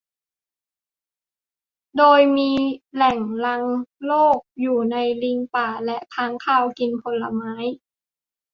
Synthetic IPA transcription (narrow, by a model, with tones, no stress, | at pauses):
doː˧jmiː˧lɛ˨˩ŋla˧ŋloː˥˩k̚juː˨˩na˧jli˧ŋpaː˨˩lɛ˦˥ʔk̪ʰaː˧˥ŋkʰaː˧˥˩wki˧npʰo˧lːa̰˧maː˦˥j